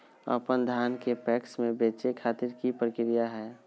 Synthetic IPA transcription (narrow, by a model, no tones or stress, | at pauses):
ə̰pənd̪ʱaːnkepɛːksmẽbeːt͡ʃekʰaːt̪ɪɾkipɾəkɪɾijaɦɛː